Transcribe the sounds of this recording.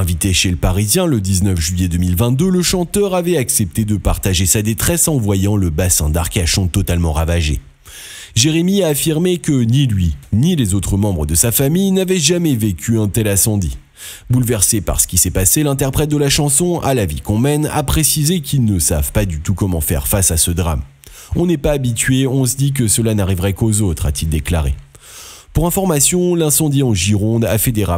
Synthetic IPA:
ɛ̃vit̪eʃeləpaʁizjɛ̃ləd̪iznœfʒɥjɛd̪əmilvɛ̃t̪̚d̪øləʃɑ̃t̪œʁavɛtaksɛp̚t̪ed̪əpaʁt̪aʒesad̪et̪χɛsɑ̃vwajɑ̃ləbasɛ̰̃d̪a̰ʁkaʃɔ̃t̪ɔt̪almɑ̃ʁavaʒḛ | ʒeʁemiaːfiʁmekənilɥinilezot̪χəmɑ̃bʁəd̪əsafamijnavɛʒamɛvekʲʰyɛ̃t̪ɛlasɑ̃d̪ḭ | bulvɛʁsepa̰ʁsə̥kʲisɛpaselɛ̃t̪ɛʁpχɛt̪̚d̪əlaʃɑ̃sɔ̃ʔa̰lavḭkɔ̃mɛna̰pχesizekʰʲilnəsa̰v̥pad̪yt̪ukɔmɑ̰̃fɛ̰ʁfasasəd̪ʁa̰m | ɔ̃nɛpaːbit̪ɥeɔ̃s̬əd̪ik̬əsəlanaʁivʁɛkozot̪χa̰t̪ild̪ekla̰ʁḛ | puʁɛ̃fɔʁmasjɔ̃lɛ̃sɑ̃d̪iɑ̃ʒiʁɔ̃d̪a̰fed̪eʁa̰

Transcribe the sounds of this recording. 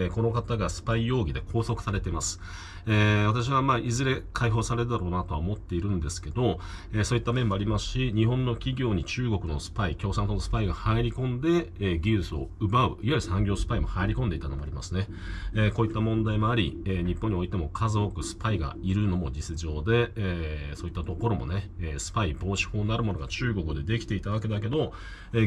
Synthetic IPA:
ko̞no̞kat̪aɡasɨ̥paijo̞ːɡʲid̪e̞kʰo̞ːso̞kɯ̟̥saɾe̞t̪e̞masɨ̥ | eβat̪aɕ̬iβamaːʔizɨɾe̞kʰaiɦo̞ːsaɾe̞t̪d̪aɾo̞ːnat̪o̞βaomo̞t̪ːe̞iɾɯ̟̃nd̪e̞sɨ̥ke̞d̪o̞ | eso̞ːit̪ːamẽ̞mːoaɾʲimasɨ̥ɕiɲ̟iɦõ̞nːo̞kʲiɡʲo̞ːɲ̟it͡ɕɨːɡo̞kɯ̟no̞sɨ̥paikʲo̞ːsãnt̪onosɨ̥paiɡahaeɾʲikõ̞nd̪e̞ɡʲiːsɨo̞̰ɯ̟baɯ̟iβaɾisãŋɡʲo̞ːsɨ̥paimo̞haeɾʲiko̞nd̪e̞it̪ano̞mo̞a̰ɾʲimasɨne̞ | eko̞ːit̪ːamõ̞nd̪aimo̞aɾʲieɲ̟ipːõɲ̟ːio̞it̪e̞mo̞kʰazɨokɯ̟sɨ̥paiɡa̰iɾɯ̟no̞mo̞d͡ʑisɨʑo̞ːd̪e̞ | so̞ːit̪ːat̪o̞ko̞ɾo̞mo̞̰ne̞eːsɨ̥paibo̞ːɕi̥ho̞ːnaɾɯ̟mo̞no̞ɡat͡ɕɨːɡo̞kɯ̟d̪e̞d̪e̞kʲi̥t̪e̞it̪aβ̞ak̬e̞d̪ak̬e̞d̪o̞ | eː

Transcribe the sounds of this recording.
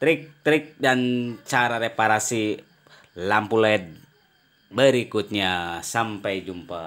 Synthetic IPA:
t̪ɾik̚t̪ɾik̚dant͡ʃaɾaɾepaɾasi | lampulɛt̪̚ | bəɾikut̪̚ɲasampajd͡ʒumpa

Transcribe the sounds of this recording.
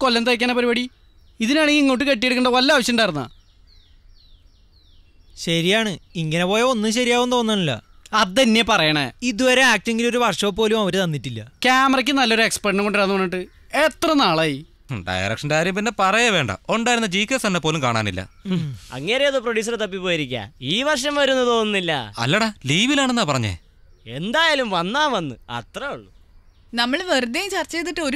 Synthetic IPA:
kolːɐnt̪ɐkʲːaːnːɐpɐɾibɐɽi | iðinaːɳeɡiŋːoːʈ̬ːɨke̞ʈ̬ːijeɽukːuɳɖɐʋɐlːɐaːʋɐɕjɐmɳɖaːjiɾunːɐ̰ | ɕɐɾijaːɳɨiŋːɐnepo̞ːjeo̞nːɨmɕ̬ɐɾijaːʋumt̪o̞ːnːaːɳilːɐ̰ɐðɨt̪ɐnːe̞pɐrɐjɐɳḛid̪uʋɐɾaːk̚ʈeŋɡilo̞ɾuʋɐrʂɐːp̬ːo̞ːlumɐʋɐɾet̪ɐnːiʈːilːɐ̰kʲaːmɐrɐk̬ʲːɨnɐlːoɾuekspeʈnɨko̞ɳɖiɾanːuʋɐnːiʈːɨ | et̪rɐnaːɭɐji | ɖɐ̰jɐ̰rɐ̰kʂɐndeaːɾjɐmpinːe̞pɐrɐjɐʋe̞ːɳɖɐ̰o̞ɳɖaːjiɾunːɐd͡ʑiːkːesɐnːepːo̞ːlumkaːɳaːnilːɐ̰ɐ̰ŋːɐɾejɐðɨproɽjuːs̬ɐrt̪ɐpːipːo̞ːjiɾikʲːa̰ːiːʋɐrʂɐmʋɐɾunːɨt̪o̞ːnːɨnːilːɐ̰ɐ̰lːɐɽeliːʋilaːɳenːaːpɐrɐɲːḛ | e̞nd̪aːjaːlumʋɐnːaːnʋɐnːɨɐ̰t̪rɐuɭːṵ | nɐmːɐɭʋɐrd̪ɐjt͡ɕɐrt͡ɕːeːt̪ːiʈːɨo̞ɾ

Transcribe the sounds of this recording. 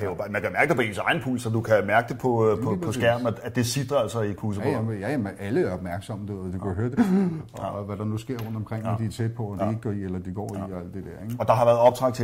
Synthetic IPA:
æobmænkʰæmæɐɡ̥əd̥epʰɒ̽e̝ːnsɑ̈ɪn̩pʰṵːlsɒd̥ukʰæmæɐɡ̥d̥e̝pʰɒ̽ɒ̽ɒ̽sɡ̥æɐ̰mnææd̥e̝sid̥ʁɐælsɒikʰuːs̬ə̥ɔjæjæmæləɐɒb̥mæɐɡ̥sɒ̽md̥ed̥u̥ɔhøɐd̥e | ʋæɾ̥ɑ̈nusɡ̥e̝ɐ̰ʁɔ̽n̰d̥ɒ̽mkʰʁeŋ̰d̥iæɐt͡sʰed̥̚pʰɒ̽d̥ie̝ɡ̥̚ɡ̥ɒielɐd̥iɡ̥ɒ̰ːiɒæl̰d̥ed̥eɐ̰eɡɒ̽d̥ɑ̈ɦɑʋæːɐð̩ˠɒ̽b̥t͡sʰʁɑ̈ɡ̥̚t͡sʰe

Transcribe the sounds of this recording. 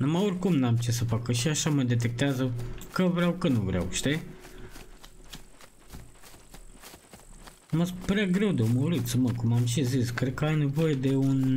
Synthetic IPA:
numajorʲkumnamt͡ʃe̞səfakəʃiaʃaməd̪e̞t̪̬e̞k̚t̪eazəkəvɾeawkənuvɾa̰wʃt̪e | məspɾeaɡɾe̞wd̪əməuɾit̪səməkumamʃiziskɾed̪̚kəajne̞vo̞je̞d̪e̞un

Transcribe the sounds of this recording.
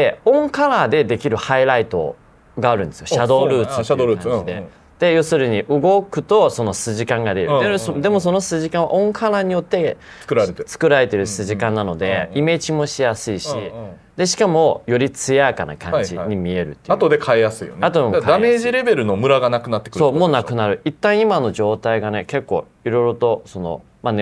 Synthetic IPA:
d̪eõ̞ŋkaɾaːd̪e̞d̪e̞kʲiɾɯ̟haiɾait̪o̞̰ | ɡaːɾɯ̟̃nesɨjoɕɕad̪o̞ːɾɯ̟ːt͡sɨ̥t̪ːɕoãid̪e̞̰ | d̪̥e̞jo̞sɨɾɯ̟ɲ̟iʔɯ̟ɡo̞kɯ̟t̪o̞so̞no̞sɨʑikãŋɡad̪e̞jɯd̪ed̪e̞mo̞so̞nosɨʑikãɰ̃βaʔõ̞ŋkʰaɾaːɲ̟ijo̞t̪ːe̞̥kɯɾaɾet͡sɨ̥kɯ̟ɾaɾe̞t̪e̞ɾɯ̟sɨʑikãnːano̞d̪e̞ime̞t͡ɕimo̞ɕijasɨiɕi | d̪e̞ɕi̥kamo̞jo̞ɾʲit͡sɨjakana̰kã̰ɲd͡ʑiɲ̟imʲie̞ɾɯ̟t̪ːeat̪od̪e̞kʰaejasɨḭjonat̪od̪emkad̪ame̞ːʑiɾe̞be̞ɾɯ̟no̞mɯ̟ɾaɡanakɯ̟nat̪ːekɯsoːmmo̞nakɯ̟naɾɯ̟it̪ːãɰ̃imano̞ʑo̞ːt̪aiɡane̞ke̞kːo̞̰ː | iɾo̞ijɾo̞t̪o̞so̞no̞̰ | mane

